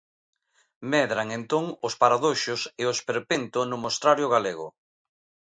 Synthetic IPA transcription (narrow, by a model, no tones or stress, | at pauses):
mɛðɾaŋent̪oŋʊspaɾaðoʃʊseʊspeɾpent̪ʊnʊmost̪ɾaɾjʊɣaleɣʊ̰